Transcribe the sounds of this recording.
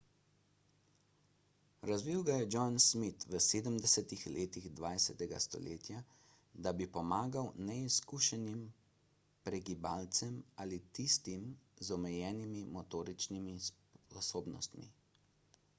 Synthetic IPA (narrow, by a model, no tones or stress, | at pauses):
ɾazʋiwɡajɛd͡ʒɔnsmit̪ʋəseːd̪əmd̪ɛsɛt̪ixlʔeːt̪iɣd̪ʋaːjsɛt̪ɛɡa̰st̪ɔ̰lḛːt̪ja | d̪abipɔmaːɡawnɛiskuʃɛnim | pɾɛɡibalt̪sɛmaːlit̪ist̪imzɔmɛjɛːnimimɔt̪oːɾit͡ʃnimis | ɔsoːbnɔ̰st̪mḭ